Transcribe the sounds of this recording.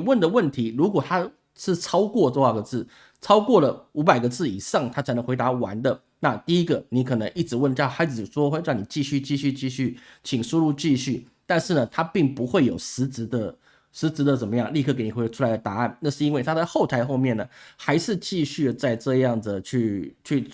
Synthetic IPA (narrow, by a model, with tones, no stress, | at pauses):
wə˥˩nd̪ə˩wə˥˩nt̪ʰi˧˥ɻu˧˥k̬wɔ˨˩t̪ʰa˥ | ʂɻ̩˥˩t͡sʰɑ˥ʊkwɔ˥˧ʈ͡ʂo˥˧a˥˩ɡə˩t͡sɹ̩˥˩ | t͡sʰɑ˥ʊkwɔ˥˩lə˩u˧˥pa˨˩ɪɡə˩t͡sɹ̩˥˩i˨˩ʂɑ˥˩ŋt̪ʰa˥t͡sʰa˧˥nə˧˦ŋxwe˧˥ɪt̪a˧˥wa̰˧˥nd̪ə˨ | na˥˧t̪i˥˩i˥ɡə˨ni˧˥kʰɤ˨˩nə˧˥ŋi˥˩ʈ͡ʂɻ̩˧˥wə˥˩n˥˩xa˧˥ɪt͡sɻ̩˨˩ʂwɔ˥xwe˥˧ɪɻɑ˥˩ŋni˨˩t͡ɕi˥˧ɕy˥˧t͡ɕi˥˧ɕy˥˧t͡ɕi˥˧ɕy˥˩t͡ɕʰi˨˩ŋʂu˥ɻu˥˧t͡ɕi˥˧ɕy˥˩ | t̪a˥˧nʂɻ̩˥˩nə˩t̪ʰa˥pi˥˩ŋpu˧˥xwe˥˩ɪjo˨˩ʊʂɻ̩˧˥t͡s̩˧˥d̪ə˧ | ʂɻ̩˧˥t͡sɹ̩˧˥d̪ə˧t͡sə˨˩mə˦jɑ˥˩˨ŋli˥˧ɤ˥˩ke˧˥ɪn˨˩we˧˥˧ʈ͡ʂʰu˥a˧˥ɪd̪ə˧˩t̪a˧˥a˥˩nna˥˧ʂɻ̩˥˧i˥nwe˥˩ɪt̪ʰa˥t͡sa˥˧ɪxo˥˩ʊt̪ʰa˧˥ɪxo˥˧ʊmjɛ˥˩nə˩xa˧˥ɪʂɻ̩˥˧t͡ɕi˥˧ɕy˥˩ə˩t͡sa˥˧ɪʈ͡ʂɤ˥˧jɑ˥˩ŋd͡zə˩t͡ɕʰy˥˧t͡ɕʰy˥˩